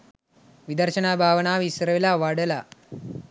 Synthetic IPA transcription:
ʋid̪ɐɾʃɐnaːbʱaːʋɐnaːʋisɾɐʋilaʋaɽɐla

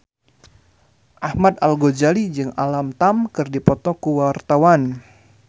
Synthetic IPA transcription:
ʔahmad̪alɡod͡ʒalid͡ʒɨŋa̰lamt̪amkɨrdipɔt̪ɔkuwart̪awan

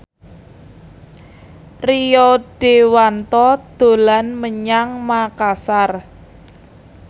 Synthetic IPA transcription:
rijɔɖ̥e̤want̪ɔd̪̥o̤lanməɲaŋmakasar

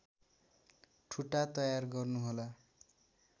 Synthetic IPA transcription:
ʈʰuʈat̪ʌjarɡʌrnuɦola

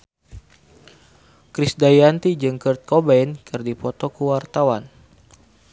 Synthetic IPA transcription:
kɾisdajant̪id͡ʒɨŋkərt̪̚kɔbainkɨrdipɔt̪ɔkəwart̪awan

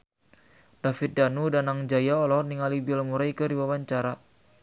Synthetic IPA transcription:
d̥afit̪̚danudanaŋd͡ʒajaɔlɔniŋalibɛlmuɾaikədiwawaɲt͡ʃaɾa

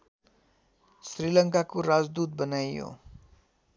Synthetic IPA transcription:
srilʌŋkakuɾazd̪ut̪̚bənajjo̰

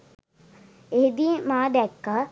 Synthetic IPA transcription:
eɦed̪imaːd̪ɛkːə

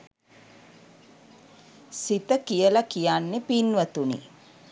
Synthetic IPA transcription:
sit̪əkijəlakijanːepinʋət̪unḭ

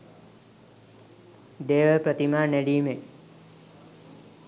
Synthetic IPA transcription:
d̪eːʋəpɾət̪imaːneɖiːme

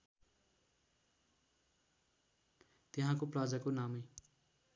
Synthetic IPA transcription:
t̪eɦãkoprad͡zakonamej

